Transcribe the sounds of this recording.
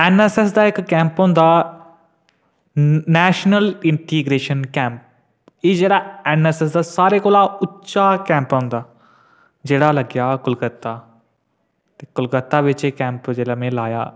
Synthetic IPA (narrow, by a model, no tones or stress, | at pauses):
enɛses̬d̪aːɪkːɛ̃ːmpɦõnd̪a | nɛːʃnəlɪ̃ɳʈiːɡɾeːʃənkɛ̃ːmp̚ | iːd͡ʑeːɽaenɛses̬d̪asaːɾekoːlaʊtːt͡ʃakɛ̃ːmpɦũnd̪aː | d͡ʑeːɽalɐɡjakʊlɡət̪ːa | t̪ekʊlɡət̪ːaʋɪt͡ʃekɛ̃ːmpd͡ʑeːlamẽlaːja̰ː